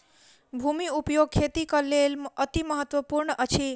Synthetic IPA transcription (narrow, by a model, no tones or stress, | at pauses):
bʱumiupjoɡ̚kʰet̪ikəlelət̪iməɦət̪wəpuɾɳəʔət͡ʃʰi